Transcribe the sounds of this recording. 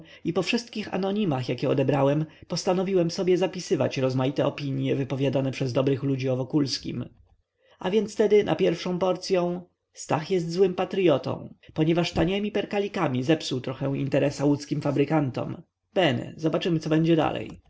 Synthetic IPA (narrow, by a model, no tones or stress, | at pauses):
ipɔfʂɘst̪̚kʲixa̰nɔɲimaxjakʲɛɔ̰d̪ɛbɾawɛmpɔst̪anɔvʲiwɛmsɔbʲjɛzapʲisɘva̰t͡ɕɾɔzmajit̪ɛɔpʲiɲjɛvɘpɔvʲjad̪anɛpʂɛzd̪ɔbɾɘxlud͡ʑiɔvɔkulskʲḭm | ʔavʲjɛnt̪st̪ɛd̪ɘnʔa̰pʲjɛɾfʂɔ̃w̃pɔɾt̪sʲjɔ̃w̃ | st̪axjɛst̪zwɘmpat̪ɾijɔt̪ɔ̰̃w̃pɔɲɛvaʂt̪aɲɛmʲipɛɾkalʲikamʲizɛpsuwt̪ɾɔxɛwḭnt̪ɛɾɛsawut̪skʲimfabɾɘkant̪ɔ̰m | b̥ɛnɛ̰zɔbat͡ʂɘmɘt̪sɔbɛɲd͡ʑɛd̪a̰lɛ̰j